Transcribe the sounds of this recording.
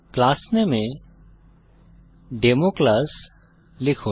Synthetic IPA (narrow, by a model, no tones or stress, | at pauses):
klaːsnemẽ | ɖeːmoklas | lɪkʰũ